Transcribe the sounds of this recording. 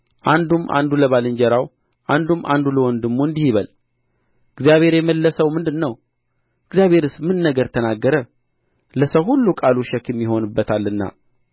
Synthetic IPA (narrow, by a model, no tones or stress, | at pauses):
ʔand̪umʔa̰nd̪uləβalɨɲd͡ʒɛɾaw | ʔand̪umːʔa̰nd̪uləwɔnd̪əɡmːoɨnd̪ihiβəl | ɨɡzjaβhe̞ɾjɛməlːəsəwmɨnd̪ɨnːəw | ɨɡzjaβhe̞ɾɨsmɨnːəɡəɾt̪ʰənaɡːəɾə | ləsəwhulːukʼaluʃɛkɛmːiho̞nɨbːət̪ʰalːɨnːa̰